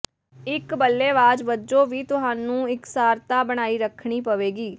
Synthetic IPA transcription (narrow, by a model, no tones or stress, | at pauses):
ɪkbəlːeːʋaːd͡ʒʋəd͡ʒõːʋiːt̪ʊɦãːnũːɪksaːɾt̪aːbəɽ̃aːiːɾəkʰɳ̃iːpəʋeːɡiː